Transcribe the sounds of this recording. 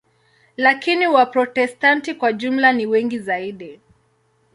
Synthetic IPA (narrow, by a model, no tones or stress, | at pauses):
lakiniwapɾɔtɛstantikwaʄum̩laniwɛŋɡizaiɗi